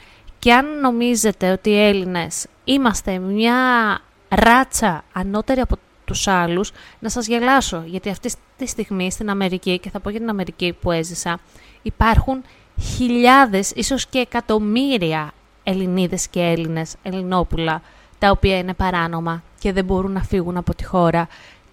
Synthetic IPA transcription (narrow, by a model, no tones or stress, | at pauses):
ceɐnːo̞mize̞t̪e̞o̞t̪iːe̞line̞s | imɐst̪e̞mɲɐ | ɾɐt͡sɐːno̞t̪e̞ɾiɐpo̞ | t̪usɐluznɐsɐzʝɐlɐso̞ʝɐt̪iɐft̪it̪ist̪iɣmist̪inɐme̞ɾicice̞θɐpo̞ʝɐt̪inɐme̞ɾicipue̞zisɐipɐɾxun | çiʎɐðe̞siso̞sce̞ːkɐt̪o̞miɾiɐ | e̞liniðe̞scee̞line̞se̞lino̞pulɐ | t̪ɐopiɐine̞pɐɾɐno̞mɐce̞ðe̞bo̞ɾunːɐfiɣunɐpo̞t̪i̥xo̞ɾɐ